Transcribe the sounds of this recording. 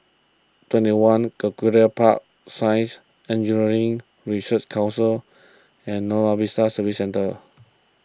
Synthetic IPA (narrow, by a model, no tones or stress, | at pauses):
twɛ̃ntiwãnkəkuɹəpʰa̰ʔ̚ | sãɪ̃ns | ɛ̃nd͡ʒuniɹĩŋ | ɹisət͡ʃkʰãw̃nsəl | ɛ̃nːɔavisasəvisɛ̃ntə